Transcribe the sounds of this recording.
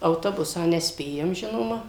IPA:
ɐʊˈtoːbʊsɑː nʲɛˈsʲpʲeːjɛm ˈʒʲɪnoːmɐ

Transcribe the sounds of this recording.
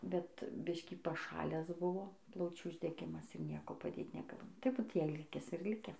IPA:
ˈbʲɛt ˈbʲɪʃʲkʲiː pɐˈʃɑːlʲæːs ˈbʊʋoː ˈplˠɐʊt͡ʃʲuː ʊʒʲdʲɛˈɡʲɪmɐs ɪr ˈnʲiɛkoː pɐˈdʲeːt nʲɛˈɡɐlˠ tɐɪ ˈbuːt ˈjɛɪ ˈlʲɪkʲɛs ɪr ˈlʲɪkʲɛs

